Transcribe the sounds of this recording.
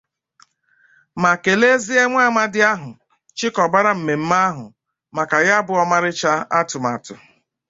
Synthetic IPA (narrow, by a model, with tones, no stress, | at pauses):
ma˨ke˨le˦zi˦e˦ŋʷa˦˨ma˦dɪ˦a˦ɦʊ˨ | t͡ʃɪ˦kɔ˨ba˦ɾa˦m̩˨me˨m̩˦ma˦ɦʊ˨ | ma˨ka˨ja˦bʊ˦ɔ˦ma˦ɾɪ˦t͡ʃa˦a˦tʊ˨ma˨tʊ˨